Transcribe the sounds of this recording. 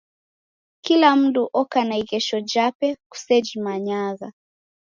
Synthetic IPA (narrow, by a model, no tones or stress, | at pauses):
kilam̩duʔɔkanaiɣɛʃɔd͡ʒapɛku̥sɛd͡ʒimaɲaɣa